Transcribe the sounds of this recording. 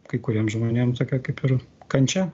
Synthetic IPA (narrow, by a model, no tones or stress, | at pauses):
kɐɪkʊɾʲiːmʒmonʲeːmt̪oːkʲɛkɐɪpɪrkɐnʲt͡ʃʲɛ